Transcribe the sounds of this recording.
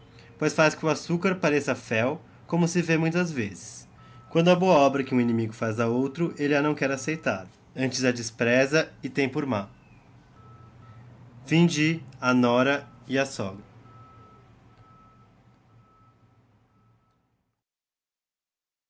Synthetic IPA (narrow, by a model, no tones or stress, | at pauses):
pojsfaskɪʊasukaɾpaɾesɐfɛw | kõmʊsɪvemũj̃t̪ɐzvezɪs | kwɐ̃nd̪ʊɐboɐɔbɾɐkɪũinimiɡʊfazd̪ɐowt̪ɾʊʔelɪanɐ̃w̃kɛɾasejt̪a̰ɾ | ɐ̃nt͡ʃɪzɐd͡ʒɪspɾɛzɐɪt̪ẽj̃pʊɾma | fĩd͡ʒɪanɔɾɐɪɐsɔɡɾɐ